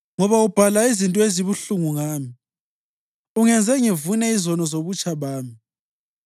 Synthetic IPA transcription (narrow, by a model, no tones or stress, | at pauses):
ŋɔβaub̥ʱalaizintʼɔeziβuɬuŋuŋaːmi | uŋɛnd͡zʱɛŋivunɛizɔnɔzoβut͡ʃʼaβaːmi